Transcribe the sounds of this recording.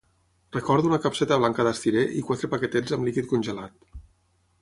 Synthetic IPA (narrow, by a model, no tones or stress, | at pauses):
rəkɔɾðunəkapsɛt̪əβlaŋkəðast̪iɾeʔikwat̪ɾəpaket̪ɛzəmlikit̪̚kunʲʒəlat̪̚